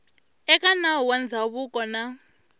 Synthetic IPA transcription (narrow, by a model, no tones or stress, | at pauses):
ɛkʼanaɔwand͡zʱaβukʼɔna